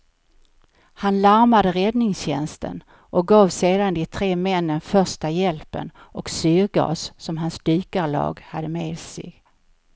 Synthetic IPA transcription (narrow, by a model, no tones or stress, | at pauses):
hanlaɾmad̪əɾɛd̪nɪŋsɕɛnst̪ʰə̰n | ʔɔk̚ɡɑːvseːd̪and̪ɪt̪ʰɾeːmɛnːənfœʂʈajɛlpə̰n | ʔɔksyːɾɡɑ̰ːsːɔmɦansd̪yːkalɑ̰ːɡhad̪ːəmeːd̪sɪɡ